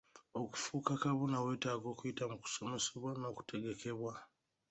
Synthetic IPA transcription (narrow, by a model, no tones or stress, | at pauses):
o̞ku̥fuːkakaβo̞nawe̞ːtaːɡo̞ːkuitamuku̥so̞me̞seβwano̞ːku̥tʰe̞ɡe̞ke̞βwa